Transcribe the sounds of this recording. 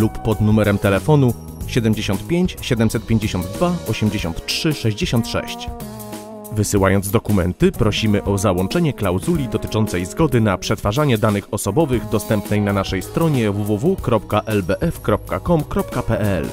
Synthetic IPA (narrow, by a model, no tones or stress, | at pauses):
lupːɔd̪numɛɾɛmt̪ɛlɛfɔnu | ɕɛd̪ɛmʲd͡ʑeɕɔnt̪̚pʲjeɲt͡ɕɕɛd̪ɛmsɛt̪pʲjeɲd͡ʑeɕɔnd̪ːvaɔɕɛmʲd͡ʑeɕɔ̰nt̪t͡ʂʂɘʂɛʑd͡ʑeɕɔnt̪ʂɛ̰ɕt͡ɕ | vɘsɘwajɔnzd̪ɔkumɛ̰nt̪ɘpɾɔɕimɘʔɔzawɔɳt͡ʂɛɲɛklawzulʲid̪ɔt̪ɘ̥t͡ʂɔnt̪sɛjzɡɔd̪ɘnapʂɛt̪faʐaɲɛd̪anɘxɔsɔbɔvɘɣd̪ɔst̪ɛmpnɛjnanaʂɛjst̪ɾɔɲɛvuvuvukɾɔp̚kaʔɛlbɛʔɛfkɾɔp̚kakɔmkɾɔpkapɛʔɛ̰l